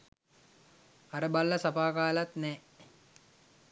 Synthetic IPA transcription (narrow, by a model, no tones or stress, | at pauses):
aɾəbalːəsapaːkaːlat̪nɛː